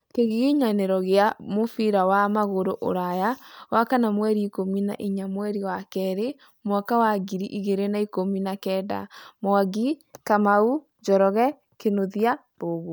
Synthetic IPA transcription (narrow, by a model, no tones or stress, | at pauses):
keɣiɣiɲanɛɾɔɣeamofiɾawamaɣoɾoʔo̰ɾajawakanamwɛɾiːkomina̰ʔiɲamwɛɾiwakɛɾe | mwakawaɡiɾiʔiɣeɾenaikominakɛda̰moaɡikamau | d͡ʒɔɾɔɣɛ | kenoðia | boɣo